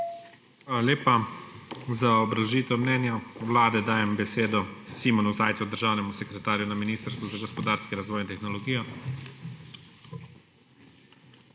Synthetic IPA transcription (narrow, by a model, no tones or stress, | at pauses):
leːpa | zaɔbɾawʒiːt̪ɛmnɛnjɔwlaːd̪ɛd̪aːjɛmbɛseːd̪ɔsimɔnuzaːjt̪sud̪əɾʒaːwnɛmusɛkɾɛt̪aːɾjunaminiːst̪əɾst̪ʋuzaɡɔspɔd̪aːɾskiɾazʋɔːjint̪ɛxnɔlɔɡiːjɔ